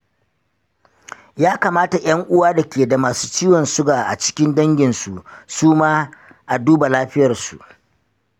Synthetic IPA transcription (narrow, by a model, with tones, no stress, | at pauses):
jaː˦kaː˨maː˦ta˨jʔɐ˦ŋʔʊ˦waː˦da˨kʲeː˨da˨maː˨suː˦t͡ʃiː˦wɔ˨nsʊ˦ɡaː˨ʔa̰˨t͡ʃɪ̥˦kʲɪ˦ndɐ˦ŋɡʲɪ˨nsu˨ʔsuː˦maː˦ | ʔa˨duː˦ba˨laː˦ɸɪ˦jɐ˨rsṵ˨ʔ